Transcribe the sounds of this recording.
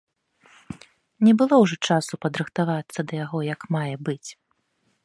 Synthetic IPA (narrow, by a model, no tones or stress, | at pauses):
nʲɛbɨlˠɔwʐɔt͡ʂasupɐd̪ɾɨxt̪avat̪sːɐd̪ɐjaɣɔjɐkmajɛbɨt͡sʲ